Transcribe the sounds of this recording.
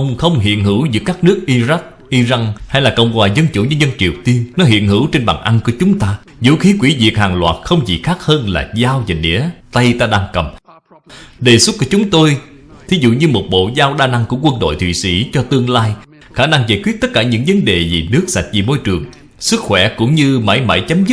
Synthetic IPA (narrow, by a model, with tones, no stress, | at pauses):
ʔə˧wŋ͡mxə˧wŋ͡mɦḭ˧˨ənhɨ˧˩˥wzɨ̰˧˦kaː˦˥k̚nɨ˦˥ək̚ʔi˧za˦˥k̚ʔi˧za˧ŋha˧jlaː˨˩kə̰˧˨wŋ͡mkwaː˨˩zə˧nt͡ɕṵ˧˩˦ɲɨ˧˥ɲə˧nt͡ɕi˨˩əwt̪i˧əŋnɔ˨˦ɦḭ˧˨ənhɨ˧˩˥wt͡ɕe˧nɓaː˨˩ŋʔa˧nku˧˩ət͡ɕʊ˨˦ŋ͡mt̪aː˧ | zṵ˧˥xi˨˦kwi˧˩˦vi˨˩ək̚haː˨˩ŋlwa̰ː˨˩t̚xə˧wŋ͡mzḭ˨˩xaː˦˥k̚həː˧nla̰ː˨˩zaː˧wza˨˩nḭ˧˥ət̪ə˧jt̪aː˧ɗaː˧ŋkə˨˩m | ɗe˨˩sə˦˥t̚ku˧˩ət͡ɕʊ˨˦ŋ͡mt̪o˧j | t̪ʰi˨˦zṵ˧˨ɲɨ˧mo˨˩t̚ɓo̰˧˨zaː˧wɗaː˧na˧ŋku˧˩əkwə˧nɗo̰˧˨jt̪ʰḭ˧˨sḭ˧˥t͡ɕɔ˧t̪ɨ˧əŋlaː˧j | xaː˧˩na˧ŋzaː˧˩jkwi˦˥ət̚t̪ə˦˥t̚kaː˧˩ɲɨ̰˧˥ŋvə˨˦nɗe˨˩zi˨˩nɨ˦˥ək̚sa˨˩jk̟̚vi˨˩mo˧jt͡ɕɨ˨˩əŋ | sɨ˦˥k̚xwɛ˧˩kʊ̰˧˥ŋ͡mɲɨ˧ma̰˧˩˦jma̰˧˩jt͡ɕaə˨˦mzɨ˦˥t̚